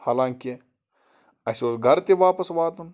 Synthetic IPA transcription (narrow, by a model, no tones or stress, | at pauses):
haːlaːŋkʲi | ɐsʲosɡʱɐɾt̪iʋaːpɐsʋaːt̪ɐn